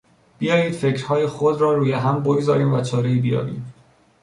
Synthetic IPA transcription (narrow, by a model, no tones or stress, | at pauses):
b̥ijɒːjiːd̪̥fe̞cʰɾ̥hɒːjexod̪ɾɒːɾuːjeɦæmboɡzɒːɾiːmvæt͡ʃʰɒːɾe̞iːbijɒ̰ːvḭːm